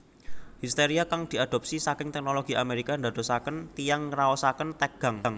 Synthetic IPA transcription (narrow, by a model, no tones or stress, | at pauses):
hist̪eɾiakaŋd̪̥i̤ad̥̪ɔ̤p̚sisakɪŋt̪ɛk̚noloɡ̥iʔameɾikand̪ad̪̥o̤sakənt̪ijaŋraɔsakənt̪ɛɡ̥a̤ŋŋ